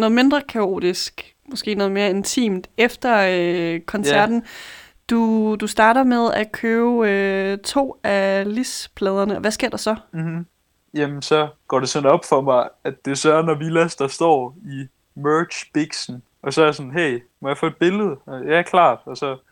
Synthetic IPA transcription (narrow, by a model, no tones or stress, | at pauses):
nɔ̽ð̞̩ˠme̝nd̥ʁɐkʰæo̝̰ːd̥isɡ̥ | mosɡ̥e̝̰ːnɔ̽ð̞̩ˠme̝ːɐe̝nt͡sʰḭːmd̥efd̥ɐ | kʰɒ̽nsæɐd̥n̩ | d̥ud̥usd̥ɑ̈ːɾɐmeð̞ˠækʰøːʊøt͡sʰo̝̰ːælispʰlɛːð̞ˠɐnəɒ̽ʋæsɡ̥e̝ɐ̰d̥ɑ̈sɒ̽m̩m̩ | jemsɒ̽ɡ̥ɒ̰ːd̥e̝sɒ̽nɒ̽b̥fɒ̽mɑ̈ɪæd̥d̥e̝sɒɐnɒʋilæsd̥ɑ̈sd̥ɒ̰ːi | mɜ̥ːɕb̥iɡ̥sn̩ | ɒ̽sɒ̽æɐjasɔ̽nɦeɪ | mɒ̽jɑ̈fɔ̰ːed̥̚b̥e̝ləð̞̩ˠjækʰlɑ̰̈ːd̥ɒ̽sɒ̽